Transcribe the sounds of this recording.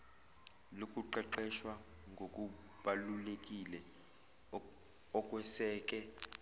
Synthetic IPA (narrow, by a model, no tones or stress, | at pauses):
lokʼuǃɛǃɛʃwa | ŋɡʱokʼu | ɓalulekʼilɛ | ɔkʼwɛsɛːk̬ʼɛ